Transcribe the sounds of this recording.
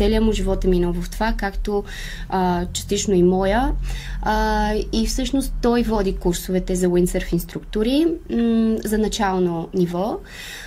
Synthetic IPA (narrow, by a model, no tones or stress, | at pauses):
ɛliəmʊʒivɔt̪ɛminɔlˠvəft̪ovakakt̪o | t͡ʃɐ̥st̪it͡ʃnoimɔjə | ifsɤʃnost̪ːɔjvɔd̪ikuɾsovɛt̪ɛzɐwinsəɾfinst̪ɾukt̪ʊɾi | zɐnɐt͡ʃalˠnonivɔ